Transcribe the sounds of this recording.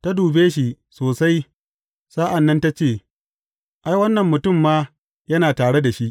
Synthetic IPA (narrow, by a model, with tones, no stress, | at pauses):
ta˦duː˨beː˦ʃi˦ | soː˨sa˦j | saː˦ʔa˨nːɐ˦nta˦t͡ʃeː˦˨ | ʔa˦jwɐ˦nːɐ˨mːʊ˨tʊ˦˨mːaː˦ | jɐ˦naː˨taː˨ɽe˦da˨ʃi˦ʔ